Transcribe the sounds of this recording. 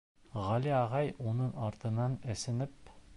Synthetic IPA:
ʁɑliɑʁɑjunɤnɑɾt̪ɤ̆nɑnæ̆sɘ̆nɘp̚

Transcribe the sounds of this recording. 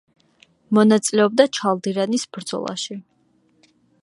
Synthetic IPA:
mɔnat̪sʼilɛɔb̚d̪at͡ʃʰalˠd̪iɾanisb̥ɾd̪zɔ̰lˠa̰ʃi

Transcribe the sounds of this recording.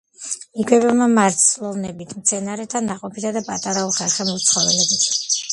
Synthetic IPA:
iɡwɛbɛmamaɾt̪ʰslˠɔvnɛbit̪ʰmt̪sʰɛnaɾɛt̪ʰanːaqʼɔpʰit̪ʰad̪apʼat̪ʼaɾaulˠχalχɛmɔt̪sʰχɔvɛlɛbit̪ʰ

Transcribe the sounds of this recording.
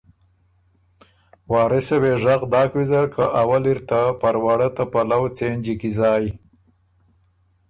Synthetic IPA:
wɑːɾɪseweʐaɣd̪ɑːkwizaɾkʰaʔawaliɾt̪apaɾwaɽat̪apalawt͡send͡ʒikizɑːj

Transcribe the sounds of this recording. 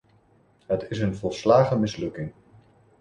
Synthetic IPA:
ɦətɪs̬ənvɔlˠslaːχəmɪslɵkɪŋ

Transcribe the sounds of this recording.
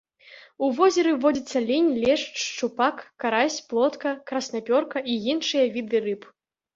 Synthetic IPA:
uvɔzʲɛɾɨvɔd͡zʲit̪sːɐlʲinʲlʲɛʂt͡ʂt͡ʂupakːaɾasʲplˠɔt̪kɐkɾɐsnapʲɔrkɐʔijinʂɨjɐvʲid̪ɨɾɨp

